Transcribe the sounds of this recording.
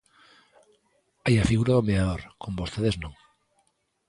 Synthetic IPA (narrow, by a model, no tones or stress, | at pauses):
ajafiɣuɾaðomeaðoɾkʰombost̪eðeznõŋ